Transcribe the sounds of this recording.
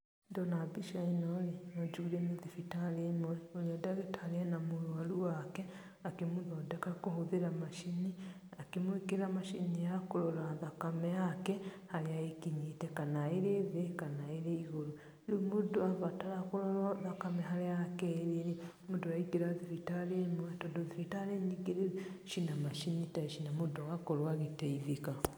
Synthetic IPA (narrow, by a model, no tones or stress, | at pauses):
ndɔnabiʃainɔɾemad͡ʒuiɾɛneðifitaɾemɔɾeoɾeɔdaɣetʰaɾɛnamoɾwaɾuwakɛ | akemoðɔdɛkakoɦoðeɾamaʃini | akemoekeɾamaʃinijakoɾɔɾaðakamɛjakɛ | haɾeaekiɲitɛkanaeɾeβekanaeɾeiɣoɾo | ɾimudoaβataɾakuɾoɾaðakamɛɦaɾeakeɾeɾi | mudoɾaiɡeɾaðiɾitaɾemwatodoðifitaɾeɲiɡeɾeʃinamaʃinitaʃinamudowakoɾwaɣiteiβika